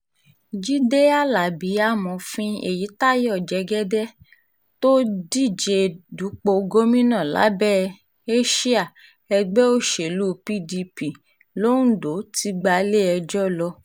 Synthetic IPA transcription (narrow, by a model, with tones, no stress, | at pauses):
d͡ʒi˦de˦a˦˨la˨bi˨˦a˦mɔ̃˨fĩ˧ḛ˦˨ji˨˦ta˦je˦ɔ˦˨d͡ʒɛ˨˦ɡɛ˦dɛ˦ | to˦di˦˨d͡ʒe˧du˨˦k͡po˧ɡo˦mĩ˦nã˦˨la̰˨˦bɛ˦˨ | e˦ʃi˦a˦˨ | ɛ˧ɡ͡bɛ˦o˦ʃe˨lu˦pi˦di˧pi˨ | lo˦nũ˦do˨˦ti˧˦ɡ͡ba˧le˦ɛ˧d͡ʒɔ˦lɔ˧